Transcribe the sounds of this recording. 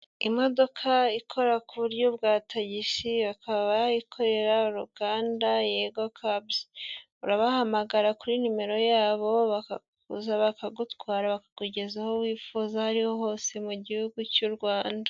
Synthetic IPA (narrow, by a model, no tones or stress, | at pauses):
imo̞do̞kʰaikʰo̞ɾakuβuɾjoβɡaːtʰaɟiʃiβakaβaikʰo̞ɾe̞ɾauɾuɡaːndajeɡokʰab | uɾaβahamaɡaɾakuɾinume̞ɾo̞jaːβo̞βakak | uzaβakaɡutwwaːɾaβakaɡ̥uɟe̞zahowiːfuːzahaɾihoɦo̞ːse̞muɟihuɡucuɾɡwaːnda